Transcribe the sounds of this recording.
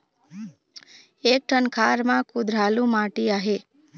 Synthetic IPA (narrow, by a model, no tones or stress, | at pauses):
ek̚ʈʰənkʰaɾmãkʊd̪ɾalũmaʈiaɦe